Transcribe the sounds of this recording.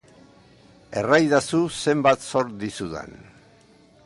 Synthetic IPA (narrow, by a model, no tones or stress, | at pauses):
e̞̰rajðasuse̞mbat̪so̞ɾd̪isuðḛn